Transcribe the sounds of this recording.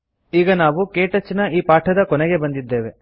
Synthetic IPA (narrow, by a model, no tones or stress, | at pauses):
iːɡɐnaːʋukeːʈɐt͡ʃːnɐiːpaːʈʰɐd̪ɐkɔnɛɡe̞bɐnd̪id̪ːe̞ːʋe̞